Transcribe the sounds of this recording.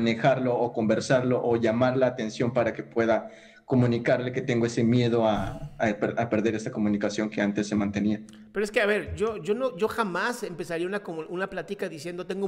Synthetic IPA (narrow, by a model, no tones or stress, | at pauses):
ne̞xaɾlo̞ːko̞mbeɾsaɾlo̞ʔoʝamaɾlaːt̪e̞nsjo̞mpaɾake̞pwe̞ða | ko̞mũnikaɾle̞ke̞t̪e̞ŋɡoe̞semje̞ð̞o̞apeɾape̞ɾðe̞ɾe̞st̪ako̞mũnikasjo̞ŋke̞ant̪e̞sːe̞mãnt̪e̞nia | peɾoeskeaβe̞ɾʝoʝo̞noʝo̞xamasempesaɾiaunakomunaplat̪ikaðisje̞nd̪ot̪e̞ŋɡo